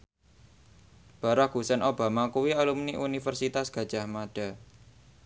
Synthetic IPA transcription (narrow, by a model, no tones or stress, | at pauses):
b̥a̤ɾaɡ̥usɛnʔob̥a̤makuwialumniʔunifərsit̪asɡ̥ä̤d̥ʒ̥a̤hmaɖ̥a̤